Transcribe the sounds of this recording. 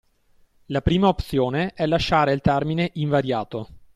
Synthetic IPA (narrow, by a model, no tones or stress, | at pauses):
lapɾiːmaopt̪sjoːneʔɛlːaʃːaːɾeilt̪ɛrmineʔiɱvaɾjaːt̪o